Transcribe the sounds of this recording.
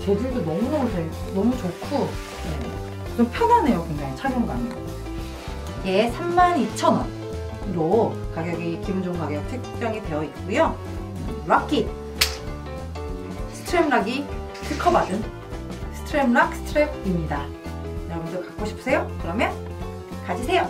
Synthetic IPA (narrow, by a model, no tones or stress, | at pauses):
t͡ɕe̞dɯɾdonʌmunʌmut͡ɕenʌmut͡ɕokʰu | je | t͡ɕompʰjʌnane̞jokwe̞ŋd͡ʑaŋit͡ɕʰaɡjoŋɡanej | jesʰamːanit͡ɕʰʌnwʌn | ɾokaɡjʌɡikibund͡ʑʌŋɡaɡetʰɯkt͡ɕ͈ʌŋitwe̞jʌit̚k͈ujo | ɾak͈i | sʰɯ̥tʰɯɾemɾaɡi | tʰɯkʰʌbadɯn | sʰɯ̥tʰɯɾemɾak̚s͈ʰɯ̥tʰɯɾeb̚imɲida | jʌɾʌbundokak͈oɕʰi̥pʰsʰe̞jokɯɾʌmjʌn | kad͡ʑisʰe̞jo